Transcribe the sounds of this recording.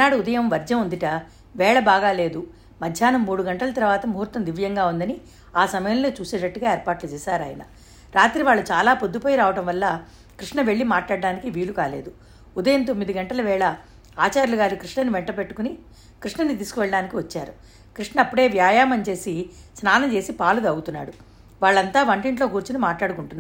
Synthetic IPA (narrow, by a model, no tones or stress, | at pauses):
naːɽiud̪ɐjɐmʋɐɾd͡ʒɐmund̪iʈɐ | ʋɛːɭɐbaːɡaːle̞ːd̪u | mɐd̪ʱjaːnɐmːuːɽuɡɐɳʈɐlɐt̪ɐɾʋaːt̪ɐmuɦuɾt̪ːɐnd̪iʋjɐŋɡaːund̪ɐni | aːsɐmɐjɐmlo̞ːt͡ʃuːsɛːnɐʈːuɡaːeːɾpaːʈlut͡ʃɛːsaːɾa̰ːjinɐ̰ | ɾaːt̪ɾiʋaːɭːut͡ʃaːlaːpo̞d̪ːupoːjiɾaːʋɐʈɐmʋɐlːɐ | kɾiʂɳɐʋe̞ɭːimaːʈlaːɽɐɖaːnikiʋiːlukaːleːd̪u | ud̪ɐjɐmt̪o̞mːid̪iɡɐɳʈɐlɐʋɛːɭɐ | aːt͡ʃaːɾluɡaːɾikɾiʂɳɐniʋɛɳʈɐpe̞ʈːu̥kuni | kɾiʂɳɐnit̪iːsu̥kuʋɛɭɐɽaːnikiʋɐt͡ʃːaːɾu | kɾiʂɳɐːpːuɽe̞ːʋjaːjaːmɐɲt͡ʃe̞ːsisnaːnɐt͡ʃe̞ːsipaːlud̪ɐɡut̪unːa̰ːɽu | ʋaːɭːɐnt̪aːʋɐɳʈiɳʈlo̞ːɡuːɾt͡ʃinumaːʈlaːɽukuɳʈunːaː